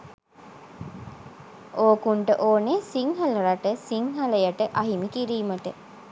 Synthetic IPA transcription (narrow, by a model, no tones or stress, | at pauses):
oːkuɳʈəʔoːnesiŋɦɐləɾaʈəsiŋɦɐləjaʈəʔaɦimikiɾiːməʈə